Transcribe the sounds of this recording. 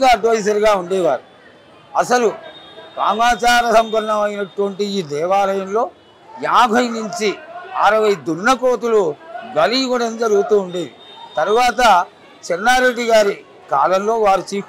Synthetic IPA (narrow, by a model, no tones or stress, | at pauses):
ɡaːɐɖʋɐjsɐɾɡaːuɳɖɛːʋaːɾu | ɐsɐlukɾa̰ːmaːt͡ʃaːɾɐsɐmpɐɾɐɳɐmɐjinɐʈʋɐɳʈiiːd̪ɛːʋaːlɐjɐmlo̞ː | jaːbʱɐjnuɲt͡ʃiaːɾɐʋɐjd̪unːɐkoːt̪̬uluɡɐliɡɐɽɐnd͡ʒɐɾuɡut̪uːɳɖeːʋit̪ɐɾuʋaːt̪ɐ | t͡ʃɛnːaːɾe̞ɖːiɡaːɾi | kaːlɐmlo̞ːʋaːɾit͡ʃiː